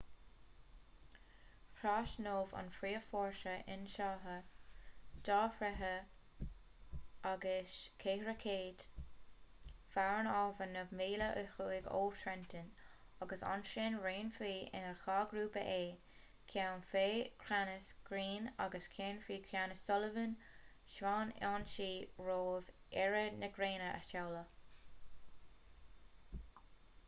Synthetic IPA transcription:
kʰɾaːʃnoːvɑ̰nfɾiːəfɔːɹʃəʔɪ̰nʃɑːɦə | d̪̥ɑːfɾɛɦə | aɡəʃkʰeːhɾəkʰeːd̥ | faɹnɔːvənəvmiːləʔʊxuːɪɡo̰ːtʰɾɛntʰɪn | aɡəsa̰nʃɪnɹeːnfiːʔɪ̰nəɹxɑːɡɾuːpə̰ʔeː | kʰawnfeːkʰɾanəsɡ̥ɾiːnaɡəskʰeːnfiːkʰɾanəsɔləvən | ʃwaːnanʃiːɹoːv | ɛɹənəɡɾeːnəʔə̰ʃawlə

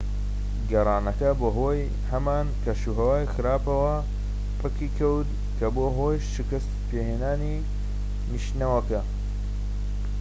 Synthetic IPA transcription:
ɡɐrˤɑːnɐkɐboːɦoːj | hɐmaːnkɐʃuɦɐwaːjxɨɾaːpɐwɐ | pʰɨkiːkʰɐwd̪ | kʰɐboːɦoːjʃɨkɐst̪peːɦeːnaːni | niʃnɐwɐkɐ

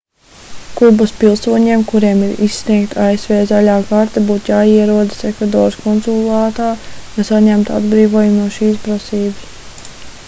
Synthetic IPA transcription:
kubɐspilˠsuɔɲiɛmkuɾiɛmiɾisːniɛkt̪ʰaesvɛːzaʎaːkaɾt̪abuːt̪jaːiɛɾuɔd̪ɨ̥sekvad̪ɔːɾskɔnsulˠaːt̪aːjasaɲæmt̪a̰d̪bɾiːvuɔjumnuɔʃiːspɾasiːbas

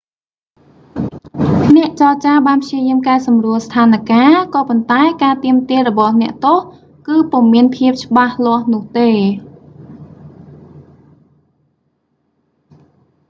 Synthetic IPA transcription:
nɛ̆əʔt͡ɕɑːt͡ɕaːɓaːnpʰjiəjiəmkaɛsɑmruəlst̪ʰaːnakaːkɑːpont̪aɛkaːt̪iəmt̪iərɔɓɑhnɛ̆əʔt̪oh | kɨːpŭomːiənpʰiəp̚t͡ɕə̆ɓahlŏəhnʊ̆əht̪eː

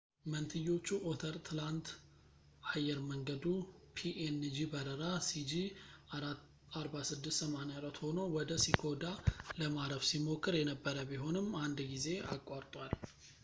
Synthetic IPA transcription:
mənt̪ʰɨjːo̞t͡ʃːuʔot̪ʰəɾt̪ʰɨlant̪ | ajɛɾməŋɡəd̪upʰiʔend͡ʒibəɾəɾasid͡ʒiaa | aɾbasɨd̪ːɨst̪səmanjaɾat̪ho̞no̞wɔd̪əsikʰo̞d̪aləmaɾəfsimo̞kʰːɨɾjɛnəbːəɾəbiɦo̞nɨmand̪ɡize̞a̰kʼːaɾt̪ʼwal

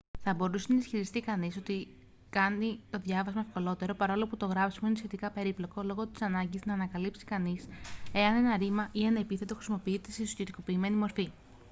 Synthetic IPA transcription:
θɐbo̞ɾusenɐisçiɾist̪ikɐniso̞t̪i | kɐnit̪o̞ðʝɐvɐzmɐe̞fko̞lo̞t̪e̞ɾo̞pɐɾɐolo̞put̪o̞ɣɾɐpsi̥muinesçe̞t̪ikɐpe̞ɾiplo̞ko̞lo̞ɣo̞t̪i̥sɐnɐɲɟiznɐːnɐkɐlipsi̥kɐnise̞ɐne̞nɐɾimɐʔiɐnepiθe̞t̪o̞xɾisimo̞piit̪eseso̥çet̪iko̞piːme̞nimo̞ɾfi

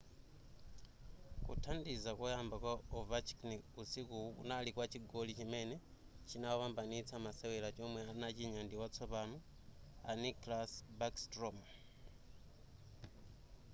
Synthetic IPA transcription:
kṵtʰandizakojaːmbakwaovat͡ʃi̥kniusikuṵnalikwat͡ʃiɡolit͡ʃimene | t͡ʃinawaβambanit͡sʰamasewelat͡ʃomweanat͡ʃiɲandiwat͡sʰopanu | a̰niklasbakstrom

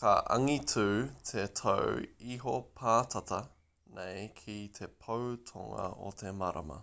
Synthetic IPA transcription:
kɐʔɐ̰ŋitʰʉːt̪ʰetʰowiɦopʰaːtʰɐtɐ | nʔejkʰit̪ʰepʰowtʰoŋɐ̰o̰t̪ʰe̞maɾɐ̰mɐ̰

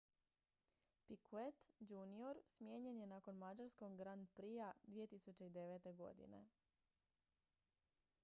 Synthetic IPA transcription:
pikʰuet̪d͡ʒunioɾsmje̞ːɲe̞nje̞nako̞nmad͡ʒaɾskoɡɡɾand̪̚pɾijad̪ʋije̞t̪isut͡ʃeid̪e̞ʋet̪e̞ɡo̞̰d̪ḭne̞̰

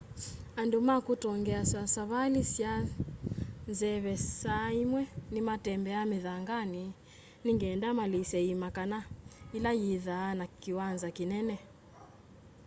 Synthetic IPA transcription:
andumakutɔŋɡɛasasaβalisja | nzɛβɛsaimwɛnimatɛmbɛamiðaŋɡani | niŋɡɛːndamalisɛimakanailajiðaːnakiwanzakinɛnɛ

